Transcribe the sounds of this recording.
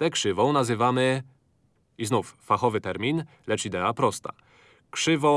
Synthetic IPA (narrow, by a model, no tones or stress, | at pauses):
t̪ɛkʂɘvɔ̃w̃nazɘvamɘ | iznufːaxɔvɘt̪ɛɾmʲin | lɛt͡ʂid̪ɛapɾɔst̪a̰ | kʂɘvɔ̃